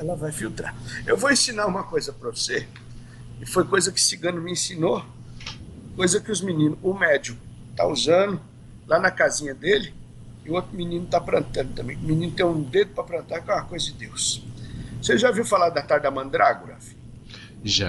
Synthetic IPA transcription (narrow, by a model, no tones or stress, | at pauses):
ɛlɐvajfiwt̪ɾa̰ɾewvoẽsĩnaɾũmɐkojzɐpɾɐse | ɪfojkojzɐkɪ̥sɪɡɐ̃nʊmɪẽsĩno | kojzɐkɪʊzminĩnʊʊmɛd͡ʒʊ | t̪a̰uzɐ̃nʊ | lanɐkazĩɲɐd̪elɪ | ɪot̪ɾʊminĩnʊt̪apɾɐ̃nt̪ɐ̃nd̪ʊt̪ɐ̃mbẽj̃ʊmĩnĩnʊt̪ẽj̃ũd̪ed̪ʊpɾɐpɾɐ̃nt̪aɾkõɐkojzɐd͡ʒɪd̪ews | seʒaviwfalaɾd̪ɐt̪aɾd̪ɪɐmɐ̃d̪ɾa̰ɡʊɾa̰fi̥ | ʒa̰